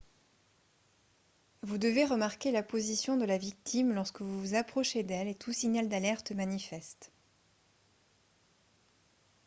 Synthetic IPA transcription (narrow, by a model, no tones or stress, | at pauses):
vud̪əveʁəmaʁkʲelapozisjɔ̃d̪əlavik̚t̪ʰimlɔʁskəvuvuzapχɔʃed̪ɛlet̪ʰusiɲald̪alɛʁt̪manifɛst̪